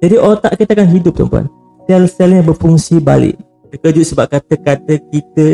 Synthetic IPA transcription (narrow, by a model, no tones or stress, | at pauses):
d͡ʒadiʔot̪a̰ʔkit̪akanɦidʊp̚t̪ə̰mpua̰n | t̪ɛlsɛlɲãbərfuŋsibalɪ̰ʔ | t̪əkəd͡ʒʊʔ̪səbap̚kat̪əkat̪əkit̪ə